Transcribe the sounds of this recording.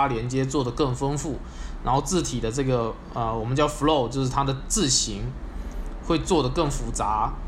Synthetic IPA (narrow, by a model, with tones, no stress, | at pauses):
a˥ljɛ˧˥nt͡ɕjɛ˥t͡swɔ˥˩d̪ə˩kɤ˥˩ŋfə˥ŋfu˥˩ | nna˧˥nxo˥˧ʊt͡sɹ̩˥˩t̪ʰi˨˩d̪ə˦ʈ͡ʂɤ˥˩ɡə˩ | ə˧wɔ˨˩mə˦nt͡ɕjɑ˥˩ʊflo˥˩ʊt͡ɕjo˥˧ʊʂɻ̩˥˩t̪ʰa˥d̪ə˨t͡sɹ̩˥˩ɕi˧˥ŋ | xwe˥˧ɪt͡swɔ˥˩d̪ə˩kɤ˥˩ŋfu˧˥t͡sa˧˥